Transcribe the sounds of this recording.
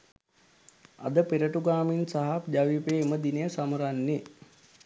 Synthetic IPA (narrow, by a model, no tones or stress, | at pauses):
a̰d̪əpeɾəʈuɡaːminsaɦapd͡ʒaʋiːpeːməd̪inejəsaməɾanːi